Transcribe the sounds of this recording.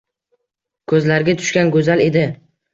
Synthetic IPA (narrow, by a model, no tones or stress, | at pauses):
kʰɵzlaɾɡʲat̪ʰʊ̥ʃkʲanɡɵzale̞d̪ɪ